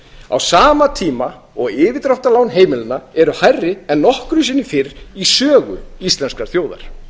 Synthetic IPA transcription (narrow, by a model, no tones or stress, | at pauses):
a̰wsaːmat̪ʰiːma | ɔɣɪːvɪt̪ɾɔwht̪alawnɦeːjmɪlɪnːaɛɾʏhajrːɪɛnːɔhkɾʏsɪnːɪfɪɾisœːɣʏ̰ist̪lɛnskaɾ̥θjoːwða̰ɾ̥